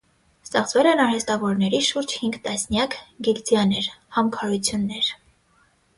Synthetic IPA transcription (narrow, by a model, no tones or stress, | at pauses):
st̪ɛχt͡svɛlɛnɑɾhɛst̪ɑvɔɾnɛɾiʃuɾd͡ʒhiŋɡt̪ɑsnjɑkɡild͡zjɑnɛɾhɑmkʰɑɾut͡sʰjunːɛɾ